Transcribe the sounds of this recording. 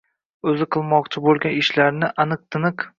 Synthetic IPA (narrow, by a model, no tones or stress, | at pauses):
ɵzɪqʰɨlˠmɒqt͡ʃʰɪbolˠɡʲanɪʃlaɾnɪʔanɨq̚t̪ʰɨnɨq